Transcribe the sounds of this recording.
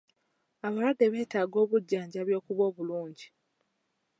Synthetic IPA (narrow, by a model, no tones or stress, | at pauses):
aβalwadːe̞βe̞ːtaːɡo̞ːβuɟːaːɲɟaβjo̞ːkuβo̞ːβuluːɲɟi